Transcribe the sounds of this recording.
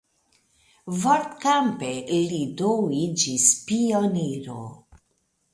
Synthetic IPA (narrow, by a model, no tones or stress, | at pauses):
voɾt̪kampeʔilidowid͡ʒispioniɾo̰